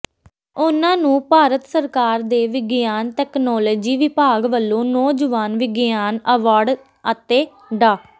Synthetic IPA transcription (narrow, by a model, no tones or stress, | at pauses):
ʊnãːnũːpaːɾət̪səɾkaːɾd̪eːʋɪɡjaːnʈɛːknɔːloːd͡ʒiːʋɪpaːɡʋəlːõːnɔːd͡ʒəʋaːnʋɪɡjaːnəʋaːɾɖ | ət̪eː | ɖaː